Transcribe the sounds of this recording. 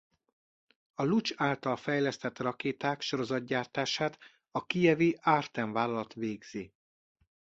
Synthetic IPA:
ɒlut͡ʃaːlt̪ɒlfɛjlɛst̪ɛt̪rɒkeːt̪aːkʃo̞ɾo̞zɒd̪̚ɟaːrt̪aːʃaːt̪ | ɒkijɛviaːrt̪ɛɱvaːlɒlɒt̪ʋeːɡz̥i

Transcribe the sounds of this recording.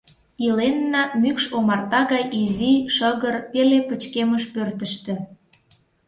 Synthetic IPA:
ilenːɑmykʃomɑrt̪ɑɣɑjiziʃəɣərpelepət͡ɕkeməʃpørt̪əʃt̪ĕ

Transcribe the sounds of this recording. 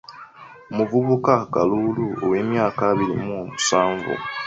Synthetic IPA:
muvuβukakaluluoweːmjaːkaβiɾḭmumusaːɱvṵ

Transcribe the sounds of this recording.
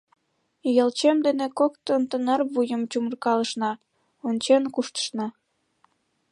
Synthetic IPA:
jəlt͡ɕemd̪enekokt̪ənt̪ənɑrβujəmt͡ɕumərkɑləʃnɑ | onʲt͡ɕenkuʃt̪ə̥ʃnɑ

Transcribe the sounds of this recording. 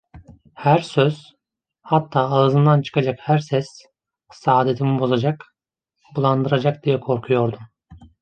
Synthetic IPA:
hæɾsøz̥ | hat̪ʰːaːlˠɯzɯnd̪ant͡ʃʰɯ̥kad͡ʒakhæɾsɛs | saːd̪e̞t̪ʰimibo̞zad͡ʒak | bulˠand̪ɯɾad͡ʒak̚d̪ijɛkʰo̞ɾkʰujo̞ɾd̪um

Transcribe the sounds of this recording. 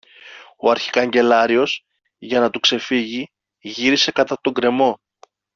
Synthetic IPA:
o̞ɐɾçi̥kɐɲɟe̞lɐɾio̞s | ʝɐnɐt̪ukse̞fiʝi | ʝiɾise̞kɐt̪ɐt̪o̞ŋɡɾe̞mo̞

